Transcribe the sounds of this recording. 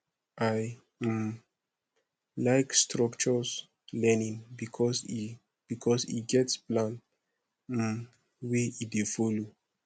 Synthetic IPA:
ʔaj̩ | laɪkstɹɔkt͡ʃɔs | lɛnĩŋbikʰɔsi | b̥ikʰɔsḭɡɛtsplãn̩ | weidefɔlo

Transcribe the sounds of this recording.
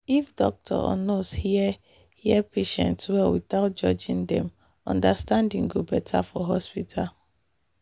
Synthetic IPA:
ifdɔ̰k̚tʰɔ̰ɔ̰nɔshiɛ | hiɛpʰeʃɛ̰̃ntswɛwiθaʊt̚d͡ʒɔd͡ʒĩŋdɛ̃m | ɔ̰̃ndastãndĩŋɡobɛtʰafɔɦɔspitʰal

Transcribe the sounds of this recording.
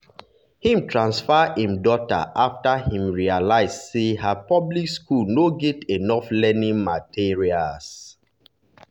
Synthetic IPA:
hĩmtʰɹãnsfaĩmdɔta̰ʔaftahĩmɹialaɪsseɦəpɔblikskulnoɡɛtenɔflɛnĩŋmatʰiɹials

